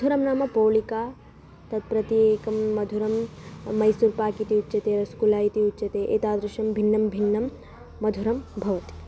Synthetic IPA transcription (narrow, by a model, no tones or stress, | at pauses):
mɐd̪ʱuɾɐmnaːmɐpoːlikaː | t̪ɐt̪̚pɾɐt̪ieːkɐmːɐd̪ʱuɾɐmːɐjsuːɾpaːkit̪iutːt͡ʃɐt̪eːɾɐskulaːjit̪iutːt͡ʃɐt̪eːʔeːt̪aːd̪ɾɪʃɐmbʱinːɐmbʱinːɐmː | ɐd̪ʱuɾɐmbʱɐʋɐt̪i̥